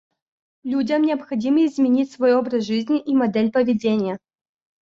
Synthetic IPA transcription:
lʲudʲəmnʲɪɐpxɐdʲimɨɪzmʲɪnʲitʲsvojobɾəsʐɨzʲnʲɪʔimɐd̪ɛlʲpəvʲɪdʲenʲɪjə

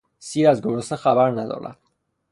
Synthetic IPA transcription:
siːɾæzɡoɾosexæbæɾnæd̪ɒ̰ːɾæ̰d̪̥̚

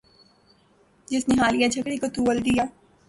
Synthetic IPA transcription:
d͡ʒɪsneɦaːlijat͡ʃʰɐkɽikot̪uːʋəld̪ijaː

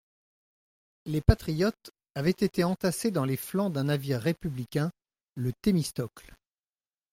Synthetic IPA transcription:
lepat̪χijɔt̪ | avɛt̪et̪eɑ̃t̪ased̪ɑ̃leflɑ̃d̪ɛ̃naviʁːepyblikʲɛ̃ | lət̪emist̪ɔkl

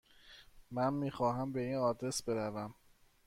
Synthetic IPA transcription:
mænmiːxɒːɦæmbe̞iːnɒːd̪ɾesbe̞ɾævæm

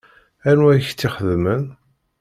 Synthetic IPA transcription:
ænwæjçt͡sːiχəðmən

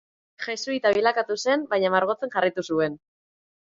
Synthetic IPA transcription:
ʝesuit̪aβilakat̪use̞mbaɲamaɾɣ̞o̞t͡se̞ŋʝarit̪usue̞n

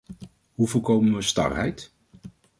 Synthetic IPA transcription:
ɦuvolkowmənʋəstɑ̰rɦɛ̰jt

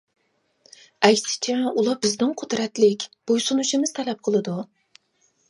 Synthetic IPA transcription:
ɛkʲsɪ̥t͡ʃʰɛulˠɑbɪzd̪ɪŋqʰod̪ɾɛt̪lɪkʲb̥ojsunuʃimɪz̥t̪ʰɛlɛp̚qʰəlˠɨd̪u

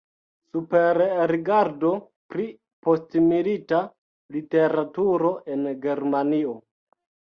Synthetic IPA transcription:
supe̞ɾɾiɡaɾdo̞ | pɾi | po̞stmilita | lite̞ɾatuɾo̞ʔenɡe̞ɾmanio

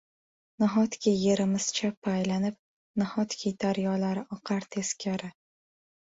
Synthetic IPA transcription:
naɦɒt̪kʲiːe̞ɾɪmɪz̥t͡ʃʰapʰːajlanɪp̚ | nahɒt̪kʲʰid̪aɾjɒlaɾɪʔɒqʰɑɾt̪ʰe̞skʲʰaɾɪ

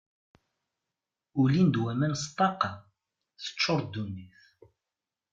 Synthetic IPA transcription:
ulind̪wæmænst̪ˤːɑqɑ | θə̥t͡ʃːoɾd̪unːiθ

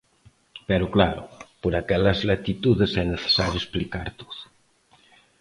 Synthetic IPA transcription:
pɛɾʊklaɾṵpoɾakɛlɐzlat̪it̪uðesɛneθe̥saɾjuesplikaɾt̪o̥ð

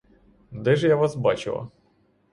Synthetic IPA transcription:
d̪ɛʐɛjaʋasbat͡ɕɪ̰lˠɐ̰

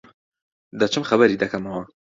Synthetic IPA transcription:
d̪ɐt͡ʃʰɨmxɐbɐɾiːd̪ɐkʰɐmɐwɐ

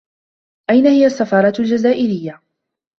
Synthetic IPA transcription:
ʔajnahɪjasːafɑːɾˤɑt̪ld͡ʒazaːʔɪɾɪjːa

